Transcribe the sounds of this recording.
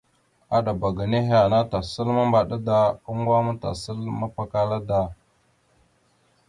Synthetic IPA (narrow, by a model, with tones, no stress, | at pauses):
a˦ɗa˨ba˨ɡa˨ne˦ɦe˦a˨na˦ta˨sə˦lma˦mba˨ɗa˦da˦u˦ŋ˦ɡwa˦ma˦ta̰˨sə˦lma˦pa˦ka˦la˦da˨